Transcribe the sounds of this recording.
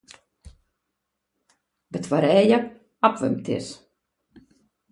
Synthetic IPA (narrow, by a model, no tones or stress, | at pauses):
bətwaɾɛːjə | apʋø̰mtʰɪ̰s